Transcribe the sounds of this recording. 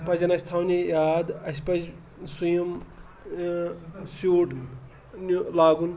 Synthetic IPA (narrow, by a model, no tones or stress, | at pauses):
pɐzɐnɐsʲt̪ʰaːwnʲijaːd̪ɐsʲpɐd͡ʒ | sujɐm | suːɖ | nulaːɡun